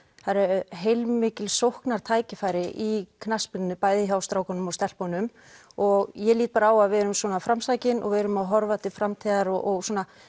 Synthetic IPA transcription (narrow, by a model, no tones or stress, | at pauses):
θaɾɛɾɦejlmɪːcɪlsowhknaɾ̥t̪ʰaːjcɪfaːjɾɪʔikʰnaspɪnnʏpaːjðɪçaːwst̪ɾaːwkanʏmɔst̪ɛl̥ponʏm | ɔɣjɛliːt̪̚paːɾaːwaðvɛːɾʏmswɔːnafɾamsaːjcɪnʔɔ̰ɣvɛɾʏmawɦɔɾvat̪ɪfɾamt̪ʰiːðaɾɔʔɔɣswɔːna